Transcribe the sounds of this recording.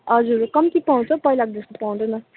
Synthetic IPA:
ʌd͡zuɾkʌmt̪ipaw̃t͡sʰʌpʌilak̚d̪est̪opaw̃d̪ʌnʌ

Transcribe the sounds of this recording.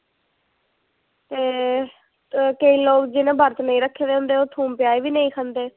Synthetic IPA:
t̪eː | kəiːloːkd͡ʒɪnẽːbəɾt̪nəĩːɾəkʰːeːd̪ẽʊ̃nd̪eːoːt̪ʰuːmpɪjaːiːʋiːnəĩːkʰə̃nd̪eː

